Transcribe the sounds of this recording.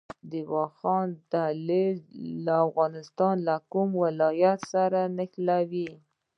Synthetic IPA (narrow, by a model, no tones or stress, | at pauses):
d̪ɪwɑxɑnt̪alelaːfɣɑnɪst̪ɑnlakumwɪlɑjat̪saɾanɪxlawi